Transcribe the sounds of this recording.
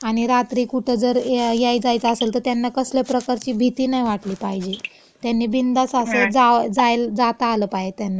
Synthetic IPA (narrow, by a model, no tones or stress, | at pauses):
aɽ̃iɾat̪ɾiːkuʈʰed͡zəɾjajt͡sajt͡səselt̪əɾt̪janːakəslepɾəkaɾt͡ɕiːbʱit̪iːnajʋaʈliːpaɦid͡ʑe | t̪janːiːbind̪asased͡zad͡zajld͡zat̪aːləpaɦet̪janːa